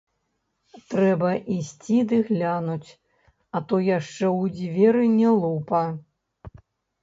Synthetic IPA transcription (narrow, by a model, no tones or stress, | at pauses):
t̪ɾɛbɐʔisʲt͡sʲid̪ɨɣlʲanut͡sʲ | ɐt̪ɔjaʂt͡ʂɛwd͡zʲvʲɛɾɨnʲɛlˠupɐ